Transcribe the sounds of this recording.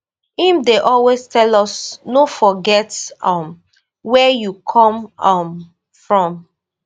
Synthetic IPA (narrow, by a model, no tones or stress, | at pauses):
hĩmdeʔɔlwestʰɛlɔsnofɔɡɛtʌm | wɛjukʰɔ̃mʌm | fɹɔ̃m